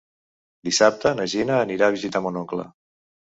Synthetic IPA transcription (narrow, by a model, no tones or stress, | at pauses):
d̪isap̚t̪ənəʒinəːniɾaβizit̪amunoŋklə̰